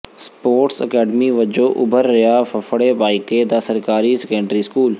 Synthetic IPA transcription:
spoːɾʈsə̰kaːɖmiʋəd͡ʒoːʔʊbʱəɾːɪjaːfɐfəɽeːbaːɪked̪aːsəɾkaːɾisɛkə̃ːɳɖəɾiskuːl

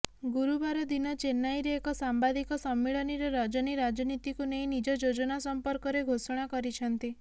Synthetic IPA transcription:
ɡuɾubaɾɔd̪inɔt͡ʃenːajɾeːkɔsambad̪ikɔsɔmːiɭɔniɾɔɾɔd͡ʒɔniɾad͡ʒɔnit̪ikuneĩnid͡ʒɔd͡ʒod͡ʒɔnasɔmpɔɾkɔɾeɡʱosɔɽ̃akɔɾit͡ʃʰɔnt̪i

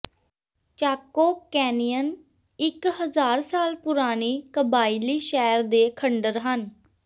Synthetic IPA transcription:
t͡ʃaːkːoːkɛːnijən | ɪkɦəzaːɾsaːlpʊɾaːniːkəbaːiliːʃɛːɾd̪eːkʰəɳɖəɾɦən

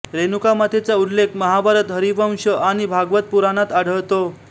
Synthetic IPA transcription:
ɾenukamat̪ʰet͡saud̪lekʰməɦabʱaɾət̪ɦəɾiʋə̃mɕəʔaɽ̃ibʱaɡʋət̪̚puɾanat̪aɽ̤əwt̪o

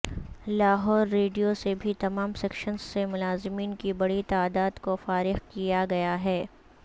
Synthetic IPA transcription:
laːɦɔːɾːeːɖijosebʱit̪ɐmaːmsɛːkʃənzːemʊlaːzɪmiːnkibɐɽit̪aːd̪aːd̪kofaːɾɪxkijaɡɐjaɦɛː

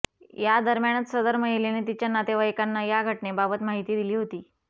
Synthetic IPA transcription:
jad̪əɾmjaɳ̃ət͡ssəd̪əɾməɦileneːt̪̬it͡ɕjanat̪eʋajkanːajaɡʱəʈɳebabət̪maɦit̪iːd̪iliːɦot̪iː

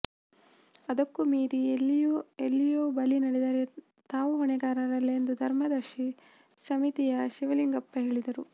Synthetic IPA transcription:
ɐd̪ɐkːumiːɾi | elːijoːbɐlinɐɽɛd̪ɐɾe̞ | t̪aːʋuɦɔɳɛɡaːɾɐɾɐlːend̪ud̪ʱɐɾmɐd̪ɐɾʃi | sɐmit̪ijɐʃiʋɐliŋɡɐpːɐɦe̞ːɭid̪ɐɾu

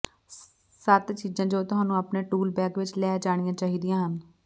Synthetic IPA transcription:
saːt̪t͡ʃiːd͡ʒãːd͡ʒoːt̪ʊɦãːnũːapneːʈuːlbɛːkʋɪt͡ʃlɛːd͡ʒaːɽ̃ɪjãːt͡ʃaːɦiːd̪ijãːɦən

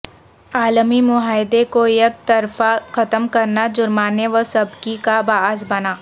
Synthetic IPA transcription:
aːlmimʊɦaːɪd̪ekojɐk̚t̪ɐɾfaxɐt̪əmkɐɾnad͡ʒʊɾmaːneʋəsɐbkikabaːzbɐnaː

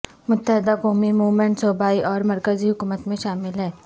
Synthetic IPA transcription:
mʊt̪ːəɦɪd̪akɔːmimuːʋmẽɳʈsoːbaːiʔɔːɾmɐɾkəziɦʊkuːmət̪mẽʃaːmɪlɦɛː

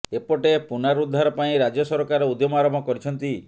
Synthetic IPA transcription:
epɔʈepunaɾud̪ʱːaɾɔpaĩɾad͡ʒɔsɔɾɔkaɾɔud̪jɔmɔaɾɔmɔkɔɾit͡ʃʰɔnt̪i

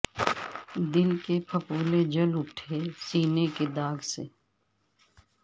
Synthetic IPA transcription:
d̪ɪlkepʰɐpuːled͡ʒɐlʊʈʰesiːneked̪aːɡsḛː

